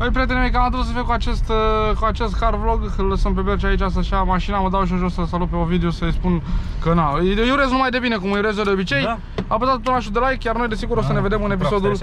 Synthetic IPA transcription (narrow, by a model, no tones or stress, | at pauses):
pəjp̬ɾijat̪elemejkamad̪os̬əfiekuat͡ʃest̪kuat͡ʃest̪karvloɡ | ələsəmp̬e̞bert͡ʃait͡ʃas̬t̪aʃamaʃinaməd̪awʃ̬iunʒorsəsalut̪̚peovid̪eosəjspunkənajuɾe̞znumajd̪e̞bine̞kuməjuɾezd̪od̪eo̞bit͡ʃe̞j | apəzat̪ot̪ulnaʃud̪elajkjarno̞jd̪e̞siɡuɾosəne̞ve̞d̪e̞mɨne̞p̬isod̪ul